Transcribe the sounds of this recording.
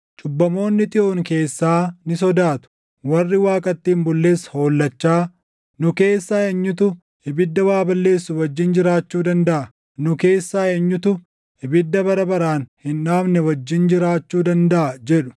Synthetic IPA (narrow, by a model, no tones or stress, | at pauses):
t͡ʃʼʊbːɐmo̞ːnːɪt̪ʼɪʔo̞ːŋke̞ːsːaːnɪs̬ɔd̪aːt̪ʊ̥ | wɐrːɪwaːkʼɐt̪ːiːnbʊlːe̞ːsho̞ːlːɐt͡ʃːaː | nʊke̞ːsːaːeɲːʊt̪̬ʊ | hɪbɪd̪ːɐwaːbɐlːe̞ːsːʊwɐd͡ʒːɪnd͡ʒɪɾaːt͡ʃːuːd̪ɐnd̪ɐʔɐ | nʊke̞ːsːaːeɲːʊt̪ʊ | hɪbɪd̪ːɐbɐɾɐbɐɾaːnhɪnᶑaːbnɛwɐd͡ʒːɪnd͡ʒɪɾaːt͡ʃːuːd̪ɐnd̪ɐʔɐd͡ʒɛᶑʊ̥